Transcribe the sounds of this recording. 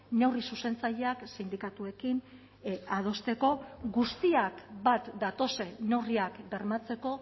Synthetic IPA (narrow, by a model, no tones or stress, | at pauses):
ne̞wrisuse̞nt͡saʎe̞aksind̪ikat̪ue̞kin | að̞o̞st̪e̞ko̞ɡust̪iakbat̪d̪at̪o̞se̞ne̞wriakbe̞ɾmat͡se̞ko̞